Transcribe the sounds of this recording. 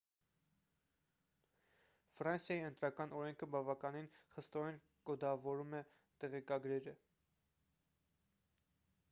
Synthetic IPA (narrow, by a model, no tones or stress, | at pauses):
fɾɑnsjɑjiənt̪ɾɑkɑnɔɾɛŋkʰəbɑvɑkɑninχəst̪ɔɾɛn | kɔd̪ɑvɔɾumɛ | t̪ɛʁɛkɑɡɾɛɾə